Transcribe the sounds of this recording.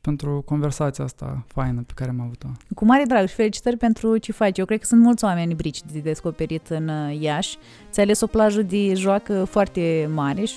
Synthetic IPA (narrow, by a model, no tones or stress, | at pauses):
pent̪ɾuko̞nve̞rsat̪sijaast̪a̰fajnəpekaɾeamavut̪okumaɾed̪ɾaɡʃfe̞lit͡ʃi̥t̪ərʲpe̞nt̪ɾut͡ʃefat͡ʃjewkɾed̪̚kə̥sunt̪mult̪sʲowame̞nʲbɾit͡ʃd̪ed̪e̞sko̞pe̞ɾit̪ɨnjaʃʲ | ɨt̪sʲale̞so̞plaʒəd̪eʒoakəfoart̪e̞maɾe